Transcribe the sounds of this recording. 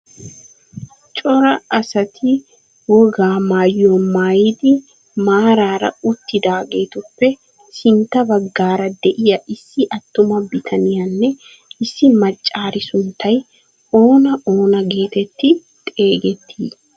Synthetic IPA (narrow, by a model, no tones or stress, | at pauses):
t͡ʃʼɔɾɐɐsɐt̪ʰɪ | wɔɡaːmaːjomaːjɪd̪ɪ | maːɾaːɾɐ̰ʊt̪ːɪd̪aːɡe̞ːt̪ʊpːɛ | sɪnt̪ːɐbɐɡːaːɾɐd̪ɛʔɪjɐʔɪsːɪʔɐt̪ːʊmɐbɪt̪ʰɐnɪjɐnːɛ | ɪsːɪmɐt͡ʃʼːaːɾɪsʊnt̪ʰːɐj | o̞ːnɐʔo̞ːnɐɡe̞ːt̪ɛt̪ːɪ | t̪ʼe̞ːɡɛt̪ʰːḭː